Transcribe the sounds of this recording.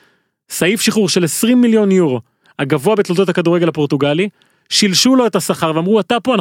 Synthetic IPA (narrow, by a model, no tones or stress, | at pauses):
saifʃiχuʁʃelesʁimːiljo̞njuʁo̞ | aɡavoabet̪lot̪o̞thakaduʁeelhapo̞ʁt̪uɡali | ʃilʃulo̞etasaχaʁveamʁuatapoan